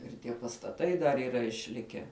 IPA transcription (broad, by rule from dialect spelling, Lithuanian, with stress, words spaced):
ɪr ˈtʲiɛ pɐstɐˈtɐɪ dɐr iːˈrɐ ɪʃʲˈlʲɪkʲæː